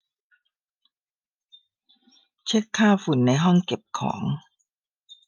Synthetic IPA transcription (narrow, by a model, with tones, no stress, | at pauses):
t͡ɕʰe˦˥˩kkʰːaː˥˩fu˨˩˦nːa˧jɦɔ˥˩ŋke˨˩p̚kʰɔ̰ː˩˦ŋ